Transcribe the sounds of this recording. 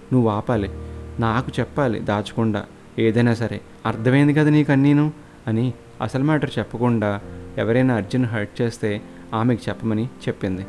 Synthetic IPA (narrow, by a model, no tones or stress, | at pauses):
nuʋuaːpaːlinaːkut͡ʃɛpːaːlḭd̪aːt͡ʃu̥kuɳɖa̰ː | eːd̪ɐjnaːs̬ɐɾe̞̰ | ɐɾt̪ʰɐme̞ːnd̪ikɐd̪aniːkɐnːiːnu | ɐni | ɐ̰sɐlmaːʈɐɾut͡ʃɛpːɐkuɳɖaːɛʋɐɾɐjnaːɾd͡ʒɐnːuɦɐjʈ̚t͡ʃe̞ːst̪e̞ː | aːmeːkit͡ʃɛpːɐmɐnit͡ʃe̞pːind̪i